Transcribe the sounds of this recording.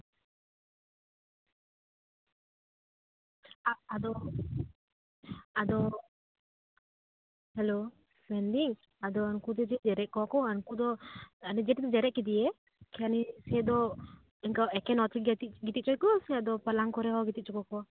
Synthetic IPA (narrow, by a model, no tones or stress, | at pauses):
aad̪ɔ | ad̪ɔ | hɛlo | spɛnɖiŋ | ad̪ɔankut̪ɛd͡ʒɛd͡ʒɛɾɛʔ̚kɔakɔaŋkud̪ɔanɛd͡ʒɛʈid̪ɔd͡ʒɛɾɛʔ̚kid̪iɛ | kʰɛanisɛd̪ɔ | ɛŋkaɛkɛnɔt̪iɡt̪iɡit̪it̪̚t͡ʃɔjkɔsɛad̪ɔpalaŋkɔɾɛɦɔɡit̪it̚t͡ʃɔkɔkɔ